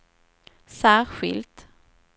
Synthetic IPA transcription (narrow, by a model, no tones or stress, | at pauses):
sæːɾɧɪ̰lt̪